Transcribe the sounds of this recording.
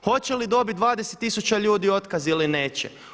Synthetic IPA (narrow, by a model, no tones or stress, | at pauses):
xo̞t͡ɕelid̪o̞bit̪̚d̪ʋaːd̪eset̪ːisut͡ɕaʎuːd̪io̞t̪kazilineːt͡ɕḛ